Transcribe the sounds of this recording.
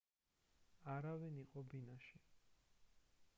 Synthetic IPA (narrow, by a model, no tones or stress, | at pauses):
aɾaviniqʼɔbinaʃi